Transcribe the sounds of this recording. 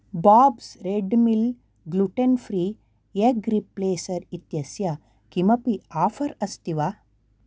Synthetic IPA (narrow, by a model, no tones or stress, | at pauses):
baːbsɾeɖmil | ɡluʈenfɾiː | jeɡɾipːleːsɐɾit̪jɐsjɐ | kimɐpiaːfʰɐɾɐst̪iʋa